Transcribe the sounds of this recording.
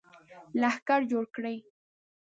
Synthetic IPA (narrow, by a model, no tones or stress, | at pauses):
lahkaɾd͡ʒoɽkɽaj